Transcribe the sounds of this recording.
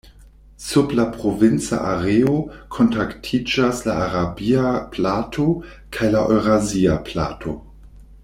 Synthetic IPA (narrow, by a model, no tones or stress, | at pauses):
sublapʁovint͡sa̰ʔaʁeokʰontaktʰid͡ʒaslaaʁabiaplatʰo | kʰajlaʔo̰jʁaziaplatʰo̰